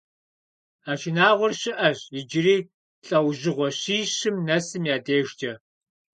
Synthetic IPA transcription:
aːʃɪnaːʁʷʊrɕɪʔɐʑjɪd͡ʒɪriː | ɬʼɐwʑɪʁʷɔɕiːɕɪmnɐsɨmjaːdeːʒd͡ʒɐ

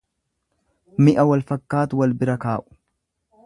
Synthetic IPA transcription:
mɪʔɐwɐlfɐkːaːt̪wɐlbɪɾɐkaːʔʊ̥

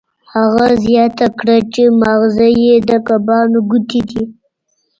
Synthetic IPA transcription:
haɣazjɑt̪akɽat͡ʃemaɣzajed̪əkabɑnoɡut̪id̪i

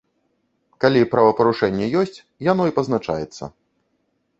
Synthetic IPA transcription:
kalʲipɾavɐpɐɾuʂɛnʲːɛjɔsʲt͡sʲ | jan̪ɔipɐznat͡ʂa̰jɛt̪sːɐ̰

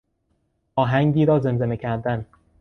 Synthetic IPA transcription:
ʔɒːɦæŋɟiːɾɒːze̞mzenecʰæɾd̪æn

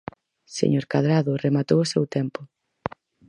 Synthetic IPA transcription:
sḛɲoɾkaðɾaðʊremat̪owʊsɛwt̪ɛmpʊ

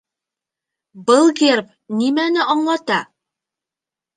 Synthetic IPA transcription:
bɤlˠɡerp | nimænɘʔɑɴlˠɑt̪ɑ

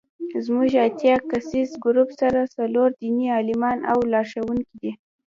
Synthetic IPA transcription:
zmuʒat̪jɑkasizɡʊɾupsaɾasaloɾd̪iniɑlɪmɑna̰wlɑɾʃawunkid̪i

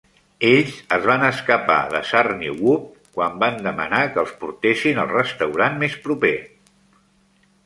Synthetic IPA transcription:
eʎzəzβanəskəpa̰ðə̰sarniwup̚ | kwamband̪əmə̰nakəːlˠspuɾt̪esinəlˠrəst̪əwɾanmespɾupe

